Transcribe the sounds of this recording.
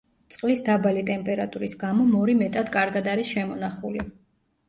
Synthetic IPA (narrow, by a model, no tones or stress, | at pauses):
t̪sʼqʼlisd̪abalit̪ʼɛmpʼɛɾat̪ʼuɾisɡamɔmɔɾimɛt̪ʼad̪kʼaɾɡad̪aɾisʃɛmɔnaχuli